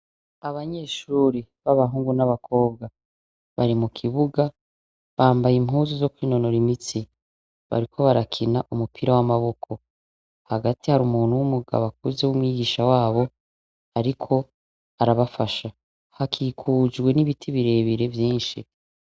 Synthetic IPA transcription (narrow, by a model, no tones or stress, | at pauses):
aβaɲe̞ːʃuːɾiβaβaɦuːŋɡunaβakʰo̞ːbɡa | βaɾimukʰiβuɡa | βaːmbajimɦuːzizo̞kwiːno̞no̞ɾimit͡si | βa̰ɾikʰo̞βaɾakʰinaʔumupʰiɾawamaβo̞kʰo̞ | haɡatihaɾumuːnuwumuɡa̰βak̚uzewumwiːɡiʃawaːβo̞ | aɾikʰo̞ | aɾaβafaʃa | hakʰiːkʰuːd͡ʒɡwe̞niβitʰiβiɾe̞βiɾe̞vjiːnʃḭ